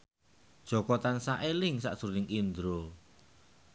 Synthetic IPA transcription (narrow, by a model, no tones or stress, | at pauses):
d̥ʒ̥ɔ̤kɔt̪ansaʔelɪŋsa̰ʔsuɾnɪŋind̪ɾo